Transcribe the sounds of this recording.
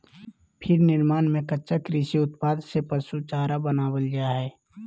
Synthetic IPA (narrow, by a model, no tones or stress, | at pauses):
pʰɪɾnɪɾmaːnmẽkətːʃakɾisiʊt̪paːd̪sepəsut͡ʃaːɾabənaːwəld͡ʒaːɦɛː